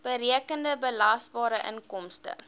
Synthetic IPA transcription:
b̥əɾiəkəndəbəlɐsbɑːɾəʔə̰nkɔmstə̰

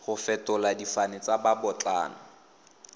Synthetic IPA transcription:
χʊfɛtʼʊladifanɪt͡sababɔt͡ɬʼa̰ːnɔ

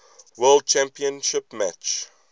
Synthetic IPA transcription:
wɜlˠd̚t͡ʃʰæ̃mpiə̃nʃɪpmæt͡ʃ

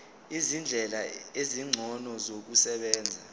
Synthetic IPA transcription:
izind͡ɮʱɛlaeziŋ͡ǀʱɔnɔzok̬usɛɓɛːnd͡zʱa

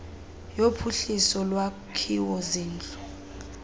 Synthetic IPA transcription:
jopʰuɬisɔlwa | kʰiwɔziːnd͡ɮu

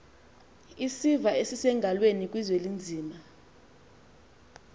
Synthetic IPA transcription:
isivaesisɛŋɡʱalwenikʼwizwelind͡zʱiːma

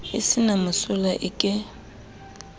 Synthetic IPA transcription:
ɪsɪnamʊsʊlaʔɪkʼɪ

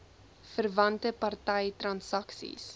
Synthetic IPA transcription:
fərvɐntəpɐrtɛjtrɐnsɐksḭs

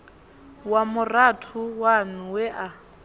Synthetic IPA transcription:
wamʊratʰʊwanuwɛʔa

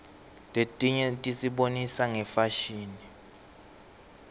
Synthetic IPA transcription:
tʼetʼiɲɛtʼisiɓonisaŋɛfaʃiːni

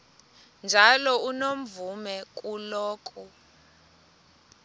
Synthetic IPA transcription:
nd͡ʒʱalɔunom̩vumɛkʼulɔːk̬ʼu

